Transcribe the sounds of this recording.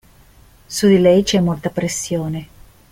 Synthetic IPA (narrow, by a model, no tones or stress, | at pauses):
sud̪ilɛjt͡ʃɛmolt̪apɾesːjoːne